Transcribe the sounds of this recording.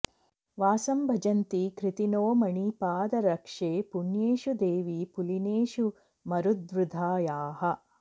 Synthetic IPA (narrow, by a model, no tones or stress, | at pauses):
ʋaːsɐmbʱɐd͡ʒɐnt̪ikɾit̪inoːmɐɳipaːd̪ɐɾɐkʂeːpuɳjeːʃud̪eːʋipulineːʃu | mɐɾud̪̚ʋɾud̪ʱaːjaːɦɐ̆